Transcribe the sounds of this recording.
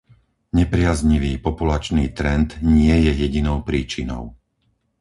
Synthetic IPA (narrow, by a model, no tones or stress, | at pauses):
ɲɛpɾɪazɲiʋiːpɔpulat͡ʃniːt̪ɾɛnd̪ɲɪɛjɛjɛɟinɔʊpɾiːt͡ʃinɔ̰ʊ